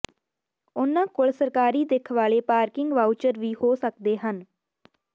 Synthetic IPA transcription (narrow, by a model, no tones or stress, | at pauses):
ʊnãːkʊɭsəɾkaːɾiːd̪ekʰʋaːleːpaːɾkɪ̃ŋɡʋaːut͡ʃəɾʋiːhoːsək̚d̪eːɦən